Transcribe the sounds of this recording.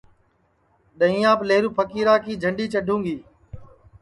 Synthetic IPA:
ɗəɦĩːãːpleːɾuːpʰəkiːɾaːkiːd͡ʒʱəɳɖiːt͡ʃəɖʱũːŋɡiː

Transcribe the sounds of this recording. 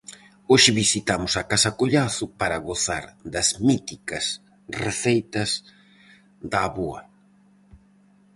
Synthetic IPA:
oʃɪβisit̪amʊsɐkasɐkoʎaθʊpaɾɐɣoθa̰ɾd̪ɐzmit̪ikɐs | reθejt̪ɐs | ðɐːβoɐ̰

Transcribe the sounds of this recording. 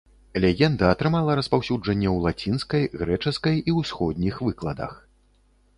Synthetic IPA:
lʲɛɣʲɛnd̪ɐːt̪ɾɨmalˠɐɾɐspawsʲud͡ʐɐnʲːɛwlˠat͡sʲinskɐjɣɾɛt͡ʂɨskɐjiwsxɔd̪ʲnʲixvɨklˠɐd̪ɐ̰x

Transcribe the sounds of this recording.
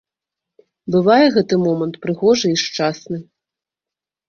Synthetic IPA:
bɨvajɛɣɛt̪ɨmɔmɐnt̪pɾɨɣɔʐɨiʂt͡ʂasnɨ

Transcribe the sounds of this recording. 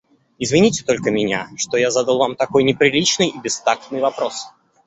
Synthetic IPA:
ɪzvʲɪnʲitʲɪ̥t̪o̞lʲkəmʲɪnʲa̰ʂt̪ojazad̪əlˠvamt̪ɐko̞jnʲɪpɾʲɪlʲit͡ɕnɨjibʲɪst̪ak̚t̪nɨjvɐpɾo̞s

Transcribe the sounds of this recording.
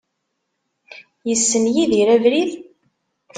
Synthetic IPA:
jəsːənjiðiɾævɾið

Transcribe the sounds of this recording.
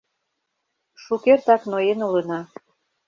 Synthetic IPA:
ʃukert̪ɑknojenulənɑ

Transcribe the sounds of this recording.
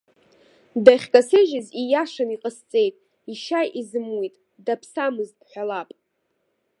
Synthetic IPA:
daχʲkʼasɨʒɪzijaʂaniqʼəst͡sʼe̞jtʼ | iʃajʔizɨmwitʼ | dapʰsamɨzdħʷᶣalapʼ

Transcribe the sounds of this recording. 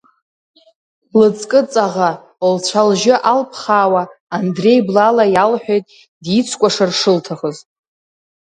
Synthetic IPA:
lɨt͡sʼkʼɨt͡sʼaʁa | olt͡ɕʷʰalʒɪʔalpʰχaːwaːndre̞jblalajalħᶣejtʼ | dit͡sʷʰkʷʼaʂarʂɨltʰaχəztʼ

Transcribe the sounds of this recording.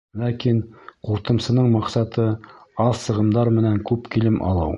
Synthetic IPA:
lækinquɾt̪ɤ̆msɤ̆nɤɴmɑqsɑt̪ɤɑlˠsɤ̆ʁɤ̆md̪ɑɾmɘ̆næŋkʉpkilɘmʔɑ̰lˠɤ̰w

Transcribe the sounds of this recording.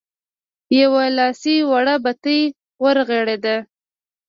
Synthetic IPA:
jawalɑsiwaɽabat̪əj | wəɾɣeɽed̪a

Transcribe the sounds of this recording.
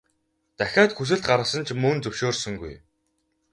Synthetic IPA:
t̪æxʲaːt̪xus̬ɘ̆ɮt̪̚ɢaɾə̆sə̆nt͡ɕʰmɵnt͡sɵwʃoːrsɵ̆ŋɡṵj

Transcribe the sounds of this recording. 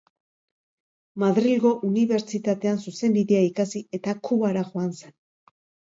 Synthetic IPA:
maðɾilɣo̞ʔuniβe̞ɾt͡ʃit̪at̪e̞ansuse̞mbiðe̞aikasie̞t̪akʰuβaɾaʝoanse̞n

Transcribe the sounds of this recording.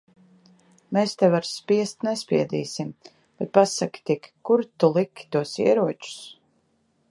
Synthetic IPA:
meːst̪ɛvaɾspʲiɛst̪nɛspʲiɛd̪iːsim | b̥ɛt̪̚pasakʲi̥t̪ʲikʲkːuɾt̪ulˠikʲːi̥t̪uɔsḭɛɾuɔt͡ʃu̥s

